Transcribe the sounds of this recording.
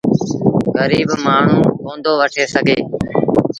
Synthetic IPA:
ɣəɾiːbmaːɳ̤ũːkõːnd̪oːʋəʈʰeːsəɡʱeː

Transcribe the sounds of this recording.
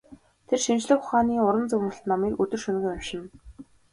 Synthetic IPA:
t̪ʰerʃint͡ɕɮɘ̆xχʊχaːniːʊɾə̆nt͡sɵwmə̆ɬt̪nɔmiːkɵt̪ɵ̆rʃɵn̆ɣɘ̆ŋamʃɪ̆n

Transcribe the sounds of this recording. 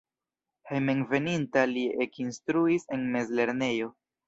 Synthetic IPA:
hejmenve̞nintaliekinstɾuise̞nme̞zle̞ɾne̞jo̞

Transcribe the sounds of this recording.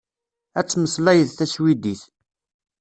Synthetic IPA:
æt͡sːməslæjəðθæswid̪iθ

